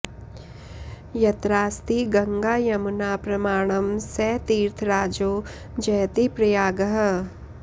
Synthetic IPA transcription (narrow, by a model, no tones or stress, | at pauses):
jɐt̪ɾaːst̪iɡɐŋɡaːjɐmunaːpɾɐmaːɽ̃ɐmsɛːt̪iːɾt̪ʰɾaːd͡ʒoː | d͡ʒɐjt̪ipɾɐjaːɡɐɦɐ